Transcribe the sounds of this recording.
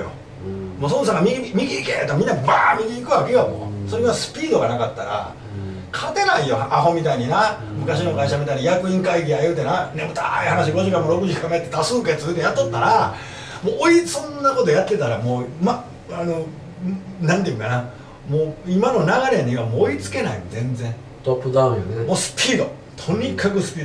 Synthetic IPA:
jo̰ | moːsonsaŋɡamʲiiimʲiɡʲikḛt̪omʲĩnːaba̰ːmʲiɡʲiikɯ̟βakejamo̰so̞ɾeβasɨ̥pʲiːd̪o̞ɡanakat̪ːaɾa̰ | kʰat̪e̞naijoaɦo̞mʲit̪aiɲ̟ina | mɯ̟kaɕ̬ino̞kaiɕamʲit̪aiɲijakɯ̟ĩŋkaiɡʲiajɯt̪enanemɯt̪ʰa̰ihanaɕ̬iɡo̞ʑikamoɾo̞kɯ̟ʑikakamet̪ːet̪asɨːket̪ɨɯt̪ːejat̪ːot̪ːaɾa | moːʔoisõnːako̞t̪o̞jat̪ːe̞t̪aɾamo̞ːma | ano̞ | nãnt̪̬ejɯ̟̃ŋkana | moːimano̞naɣaɾe̞nɲeɡamoːit͡sɨ̥ke̞naḭzẽ̞nd͡zẽ̞ŋ | t̪opːɯ̟d̪ãɯ̃jonemoːsɨ̥pʲʰiːd̪o̞ | t̪ʰoɲ̟ikʰakɯ̟sɨ̥pʲiː

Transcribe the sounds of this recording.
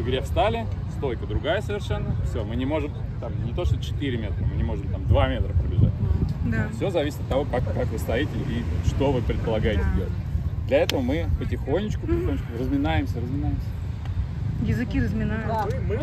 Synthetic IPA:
vɨɡɾʲefst̪alʲɪst̪o̞lʲkəd̪ɾʊɡajəsəvʲɪrʂɛnːəfsʲo̞mɨnʲɪmo̞ʐɨm | t̪amnʲɪt̪o̞ʂt̪ot͡ɕɪ̥t̪iɾʲɪmʲe̞t̪ɾəmɨnʲɪmo̞ʐɨmt̪amd̪vamʲe̞t̪ɾəpɾəbʲɪ̰ʐa̰t̚ʲd̪afsʲozɐvʲisʲɪt̪ət̪ːɐvo̞kakkakvɨst̪ɐjitʲɪiʂt̪o̞vɨpɾʲɪt̪pəlˠɐɡajɪtʲɪzdʲelˠətʲd̪lʲɐɛt̪əvəmɨpətʲɪxo̞nʲːɪt͡ɕkʊpətʲɪxonʲɪt͡ɕʲkʊrəzmʲɪnajɪmsʲərəzmʲɪnajɪmsʲə̥ | jɪzɨkʲiɾəzmʲɪnamɨ

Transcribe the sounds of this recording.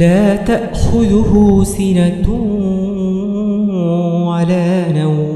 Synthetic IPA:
aːt̪aʔxʊðʊhʊsɪnat̪ | walaːnaw

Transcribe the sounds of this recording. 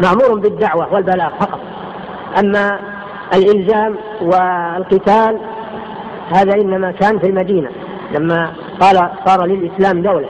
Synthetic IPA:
maʕmuːɾʊmbɪd̪ːaʕwawɪlbalaːɣfɑqɑt̪ˤ | ʔamːa | ɪlʔɪlzaːm | wɪlqɨt̪aːl | haːðaʔɪnːamakaːnfilmad̪iːna̰ | lamːa | qɑːlasˤɑːɾˤɑlɪlʔɪslaːmd̪awla

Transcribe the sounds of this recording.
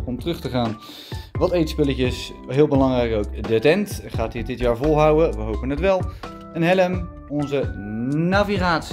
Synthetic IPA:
ɔmtrɵχtəχaːn | ʋɑtejtspɪləcəs | ɦɪːlˠbəlɑŋrɛjkowkdətɛntχaːtɦiːɹdɪtjaːɹvɔlˠɦʌwəʋəɦowpənɦətʋɛlˠ | ənɦɛləm | ɔnzənaviχaːts

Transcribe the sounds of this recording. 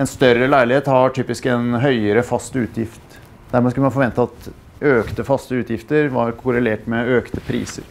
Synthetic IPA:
ɛnst̪œɾəlæɪlɪheːt̪hɑʈʰyːpɪskɛnɦœʏəɾəfɑst̪ʉːt̪ʰjɪft̪ | d̪̥æɾmɛskʉləmɑnfɔɾʋɛnt̪əɑt̪ | øːkt̪əfɑst̪əʉːt̪ʰjɪft̪əɾʋɑɾkʰʊɾəleːʈmɛøːkt̪əpʰɾḭːsə̰ɾ

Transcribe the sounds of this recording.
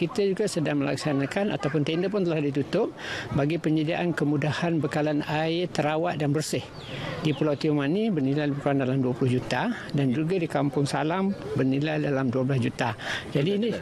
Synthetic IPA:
kit̪ad͡ʒuɡasədaŋməla̰ksanakana̰t̪awpʊnt̪endəp̬ʊnt̪əlahdit̪ut̪ʊp̚baɡipəɲadiaʔankəmudahanbəkalanaɪt̪ːəɾawaʔ̚danbərsɪh | dipulawt̪iumanibərnilajbəkalandalamduəpulʊhd͡ʒut̪a | dand͡ʒuɡadikampʊŋsa̰lambərnilajdalamduablasd͡ʒut̪ad͡ʒadiːni

